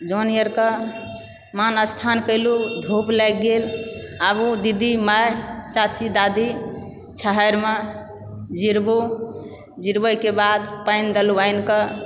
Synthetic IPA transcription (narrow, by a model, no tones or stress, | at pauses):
d͡ʒonijəɾkə | manəst̪ʰankəɪlud̪ʱoplɛk̚ɡelabud̪id̪imajt͡ʃat͡ʃid̪ad̪i | t͡ʃʰəɦəɾme | d͡ʒiɾbo | d͡ʒiɾbəjkebad̪pəɪnd̪əluəɪnkə